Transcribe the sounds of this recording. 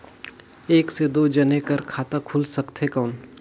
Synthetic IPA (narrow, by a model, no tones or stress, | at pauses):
eːksed̪oːd͡ʒɐnekɐɾkʰaːt̪akʰʊlsɐkt̪ɦekaːn